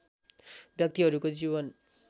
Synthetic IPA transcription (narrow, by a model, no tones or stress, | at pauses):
bjʌk̚t̪iɦʌɾukod͡ziβʌn